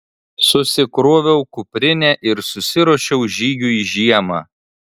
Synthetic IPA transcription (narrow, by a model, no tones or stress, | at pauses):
sʊsʲɪkɾoːʋʲɛʊkʊpʲɾʲɪnʲɛʔɪɾsʊsʲɪɾɔːʃʲɛʊʒʲiːɡʲʊiʒʲiɛmɑː